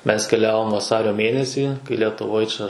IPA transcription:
mʲɛs kʲɛˈlʲæːʋoːm ʋɐˈsɑːrʲoː ˈmʲeːnʲɛsʲiː kɐɪ lʲɛtʊˈʋoːj t͡ʃʲɛ

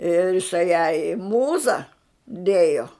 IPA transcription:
ɪr ɪˈsɐɪ jɛɪ ɪ ˈmuːzɐ ˈdʲeːjoː

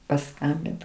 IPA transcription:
pɐˈskɐmʲbʲɪnt

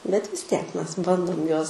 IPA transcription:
bʲɛt ʋʲɪs ˈtʲiɛk ˈmʲɛs ˈbɐndoːm ˈjuɔs

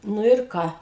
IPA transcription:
ˈnʊ ɪr ˈkɑː

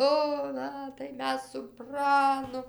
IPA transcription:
ˈoː ˈnɐ tɐɪ ˈmʲɛs sʊ ˈprɑːnʊ

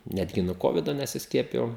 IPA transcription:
ˈnʲæːdʲɡʲɪ nʊ ˈkoːʋʲɪdoː nʲɛsʲɪsʲˈkʲiɛpʲɪjɛʊ

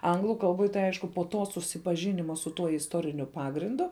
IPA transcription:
ˈɐŋɡlˠʊ kɐlˠˈboːj tɐɪ ˈɐɪʃkʊ poː ˈtoː sʊsʲɪpɐˈʒʲɪnʲɪmɐ sʊ ˈtuɔ ɪsˈtoːrʲɪnʲʊ ˈpɑːɡrʲɪndʊ

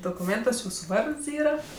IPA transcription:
doːkʊˈmʲeːntuɔs ˈjuːsʊ ˈʋɐrts ˈiːrɐ

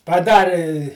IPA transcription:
pɐˈdɑːrʲɪ

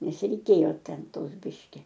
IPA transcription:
nʲɛs rʲɛɪˈkʲeːjoː ˈtʲɛn ˈtoːs ˈbʲɪʃʲkʲɪ

